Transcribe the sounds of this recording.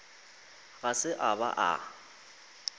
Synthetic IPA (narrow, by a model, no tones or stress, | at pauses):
ɣasɪʔaba̰ʔa̰